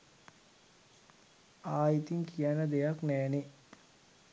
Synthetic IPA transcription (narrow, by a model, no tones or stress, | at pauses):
aːit̪iŋkijanəd̪ejaknæːne